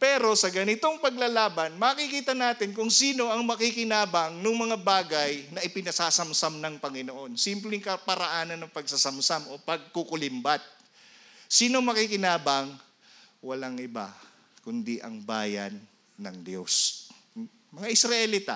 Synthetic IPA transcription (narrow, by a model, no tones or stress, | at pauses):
pɛɾo̞sɐɡɐnɪt̪o̞ŋpɐɡ̚lalaːbɐnmɐɐkikiːt̪ɐnaːt̪ɪnkʊŋsiːno̞ʔɐŋmɐkikɪnaːbɐŋnʊŋmɐŋabaːɡɐjnɐʔɪpɪnɐsaːsɐmsamnɐŋpɐŋɪnoʔo̞nsɪmplɪŋkɐpɐɾɐʔaːnɐnːɐŋpɐɡ̚sɐsɐmsamʔo̞pɐɡ̚kukʊlɪmbat̪̚ | siːnoŋmɐkikɪnaːbɐŋ | wɐlaŋʔɪba̰ | kʊnd̪iʔɐ̰ŋba̰ːjɐ̰nː | ɐ̰ŋd̪jo̞̰s | mɐŋaʔɪsɾɐʔɛlit̪a̰